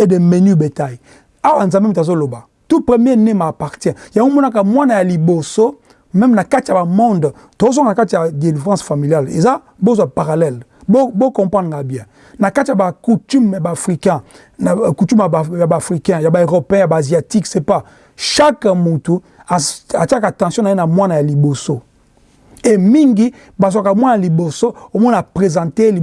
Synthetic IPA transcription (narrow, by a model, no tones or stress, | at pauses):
edemenybetaj | awanzãmɛmt̬azoloba | tupʁemjɛnemaːpaʁtjɛ̃jamɔnak̬amwanajaliboso | mɛmnakatijabamɔ̃nd | toz̬ɔ̃ŋnakatijadelifʁãsfamiljaleza | bozwapaʁalɛlbobokɔ̃pãd̪ɡabjɛ̃ | nakatijabakutymjabafikɛ̃ | kutymajabafʁikɛ̃jabaøʁopeɛ̃jabaziatiksepa | ʃakmotu | aatiakatɑ̃sjɔ̃naenamwanajaliboso | emiŋɡi | bazakamwanaalibosoomɔnapʁezɑ̃teli